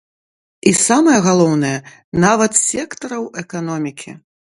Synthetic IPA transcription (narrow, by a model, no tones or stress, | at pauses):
isamɐjɐɣalˠɔwnɐjɛ | navɐt̪sʲɛkt̪ɐɾɐwɛkanɔmʲikʲḭ